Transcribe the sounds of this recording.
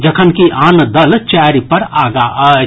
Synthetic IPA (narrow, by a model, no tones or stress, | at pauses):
d͡ʒəkʰənkiʔaːnd̪əlt͡ʃɛɾipəɾaːɡaʔ